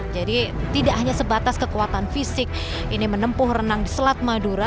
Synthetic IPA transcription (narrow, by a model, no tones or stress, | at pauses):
d͡ʒadi | t̪idaʔɦaɲasəbat̪askəkuat̪anfisɪk̚ | inimənəmpʊhrənaŋdisəlat̪̚maduɾa